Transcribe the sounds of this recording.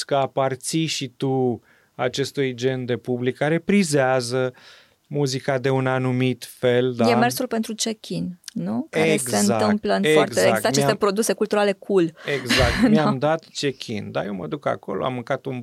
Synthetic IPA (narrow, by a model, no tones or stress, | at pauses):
kəapart̪siʃit̪u | at͡ʃe̞st̪ujd͡ʒe̞nd̪e̞publikːaɾe̞pɾizeazə | muzikad̪e̞unanumit̪fe̞ld̪ajemersulpe̞nt̪ɾut͡ʃekʲʰinnukaeeɡeɨnaɨmpləɨnfearzeeaat͡ʃet̪epɾo̞d̪use̞kult̪uɾale̞kʰuleɡzakt̪meamd̪at̪t͡ʃekʲʰḭnd̪a̰jewməd̪uka̰ko̞̰lo̰a̰mːɨŋkat̪un